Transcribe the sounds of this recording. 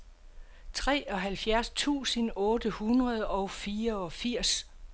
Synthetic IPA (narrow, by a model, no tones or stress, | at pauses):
t͡sʰʁɛ̰ːɒ̽ɦælfjæɐst͡sʰṵːsənɔ̽ːdəhunʁɐð̞ˠɒ̽ʊfiːɐɒ̽fiɐ̰s